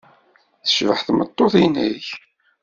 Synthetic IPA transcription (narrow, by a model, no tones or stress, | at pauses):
θə̥ʃvəħθmə̰t̪ˤːoθinəç